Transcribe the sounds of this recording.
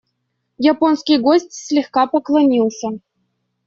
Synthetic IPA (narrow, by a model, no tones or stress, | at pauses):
japonskʲijɡosʲtʲsʲlʲixkɑpəklˠɐnʲilˠsʲɤ